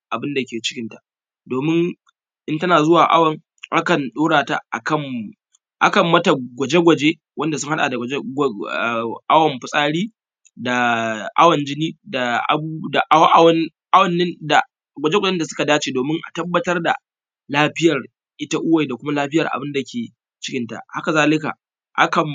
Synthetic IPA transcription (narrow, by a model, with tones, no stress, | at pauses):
ʔa˨bɪ˦nda˨kʲeː˨t͡ʃɪ̥˦kʲɪ˦ntḁ˨ | doː˨mɪ˦ŋ | ʔɪ˦ntɐ˦naː˨zʊ˦waː˨ʔa̰˦wɐ˨ŋ | ʔa̰˦kɐ˨nɗoː˦ɽaː˨ta̰˦ʔa̰˨kɐ˦˨m | ʔa̰˦kɐ˨mːɐ˦ta˨ɡʷɐ˨d͡ʒe˦ɡʷɐ˨d͡ʒeː˦ | wɐ˦nda˨sʊ˦ŋha˦ɗa̰ː˨da˨˦˨ | ʔa˦wɐ˨mɸʊ˨sʼaː˦ɽiː˦ | da˨ʔa̰˦wɐ˨nd͡ʒɪ˦niː˦da˨ʔa̰˨u˦da˨ʔʔwɐ˨ | ʔa˦wɐ˨nːɪ˦nda˨ | ɡʷɐ˨d͡ʒe˦ɡʷd͡ʒɛ˦nda˨sʊ˦ka˨daː˦t͡ʃeː˨doː˨mɪ˦ŋʔa̰˨tɐ˦bːɐ˦tɐ˦rda̰˨ | laː˦ɸɪ˦jɐ˨r | ʔɪ˦ta˦ʔʊ˦wa˨ji˨da˨kʷʊ˦ma˦laː˦ɸɪ˦jɐ˨rʔa̰˨bɪ˦nda˨kʲeː˨ | t͡ʃɪ̥˦kʲɪ˦nta̰˨ha˦ka˨zaː˦lɪ˦ka̰˨ | ha̰˦kɐ˨m